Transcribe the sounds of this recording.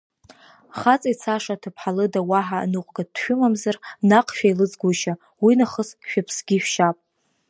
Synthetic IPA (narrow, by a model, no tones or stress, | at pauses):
χat͡sʼit͡sʰaʂatʰɨpʰħalɨdawaħa̰nɨqʷʼɡadʃᶣʊmamzarnaqʰʼʃᶣajlɨd͡zʼɡʷuʃa | winaχəsʃᶣapʰsɡʲiʃᶣʃapʼ